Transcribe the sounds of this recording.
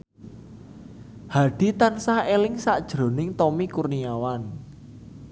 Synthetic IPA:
haɖ̥i̤t̪ansahelɪŋsaʔd̥ʒ̥ɾo̤nɪŋt̪ɔmikurniawan

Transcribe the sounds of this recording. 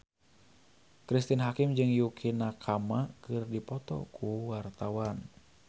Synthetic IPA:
kɾist̪inɦakɪmd͡ʒɨŋjukʰinakʰamakɨrdipɔt̪ɔ̰kʰuwart̪awan

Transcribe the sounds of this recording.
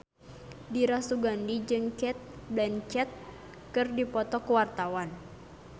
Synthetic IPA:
diɾasuɡandid͡ʒɨŋkɛt̪̚blɛnt͡ʃɛt̪̚ | kɨrdipɔt̪ɔkuwart̪awan

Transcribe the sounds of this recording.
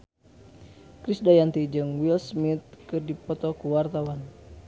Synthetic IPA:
kɾisdajant̪id͡ʒɨŋwilsmit̪̚kɨrdipɔt̪ɔkuwart̪awan

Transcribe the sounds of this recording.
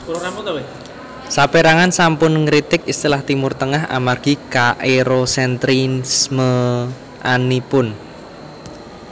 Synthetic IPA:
sapeɾaŋansampʊnŋɾit̪ɪkist̪ilaht̪imʊrt̪əŋaɦa̰marɡ̥i̤kaʔeɾosɛnt̪ɾinsmə | ʔanipʊn

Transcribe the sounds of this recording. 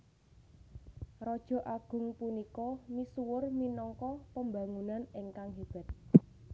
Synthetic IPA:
rɔd̥ʒ̥ɔ̤ʔaɡ̥ʊ̤ŋpunikɔmisuwʊrminɔŋkɔpəmba̤ŋunaneŋkaŋɦib̥ɛ̤t̪̚

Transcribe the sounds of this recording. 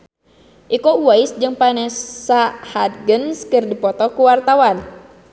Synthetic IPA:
ʔikouwaisd͡ʒɨŋpanɛsːahad̪̚ɡənskɨrdipɔt̪ɔkuwart̪awan

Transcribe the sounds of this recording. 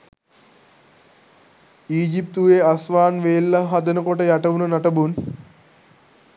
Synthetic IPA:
iːd͡ʒip̚t̪uʋeasʋaːnʋeːlːaɦad̪ənəkoʈəjaʈəʋunənaʈəbun

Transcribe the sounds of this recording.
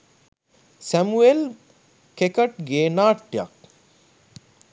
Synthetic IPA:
sæmuel | kekɐʈ̚ɡeːnaːʈːjɐ̰k̚

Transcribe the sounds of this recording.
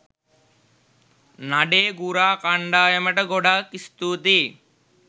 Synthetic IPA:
naɖeːɡuɾaːkaɳɖaːjɐmɐʈɐɡɔɖakist̪uːt̪i

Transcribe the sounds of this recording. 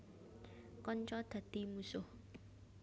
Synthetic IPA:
kɔɲt͡ʃɔd̪̥a̤d̪̥imusʊh

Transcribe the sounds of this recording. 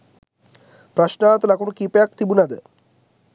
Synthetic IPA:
pɾɐʃnaːt̪əlɐkuɳukiːpejakt̪ibunɐd̪ə

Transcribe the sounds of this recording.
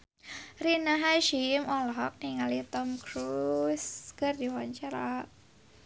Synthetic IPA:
rinaɦaʃimɔlɔɦɔk̚niŋalit̪ɔmkɾusɡ̥ərdiwaɲt͡ʃaɾa

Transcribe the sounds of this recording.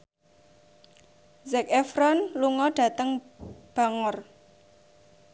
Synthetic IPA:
zɛkɛfɾɔnluŋɔɖ̥a̤t̪əŋb̥a̤ŋɔr

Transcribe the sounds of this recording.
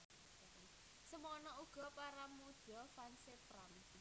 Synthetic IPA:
səmuɔnɔuɡ̥ɔ̤paɾamod̥ɔ̤fansepɾam

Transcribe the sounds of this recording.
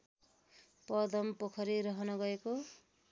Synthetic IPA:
pʌd̪ʌmpokʰʌɾiɾʌɦʌnʌɡʌeko

